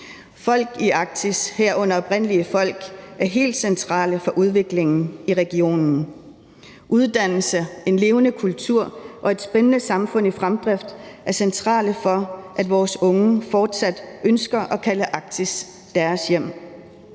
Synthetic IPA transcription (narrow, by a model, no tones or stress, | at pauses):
fɒ̽l̰ɡ̥iʔɑ̈ɡ̥̚t͡sʰisheɐ̰ɔ̽n̰ɐɒ̽b̥ʁen̰liəfɒ̽l̰ɡ̥æɐɦe̝̰ːld̥sent͡sʰʁɑ̰̈ːləfɒ̽ʔuð̞ˠʋe̝ɡ̥le̝ŋn̩iʁɛɡ̥io̝̰ːnn̩ | ʔuð̞ˠd̥æn̰l̩səe̝nle̝ːʊnəkʰult͡sʰuɐ̰ʔɒ̽e̝d̥sb̥enənəsɑ̈mfɔ̽n̰ifʁamd̥ʁɛfd̥ʔæɐsent͡sʰʁɑ̰̈ːləfɒ̽ʔæd̥ʋɒːsɔ̽ŋəfɒːd̥sæd̥ʔønsɡ̥ɐʔɒ̽kʰæləʔɑ̈ɡ̥̚t͡sʰis | d̥æɐsjem̰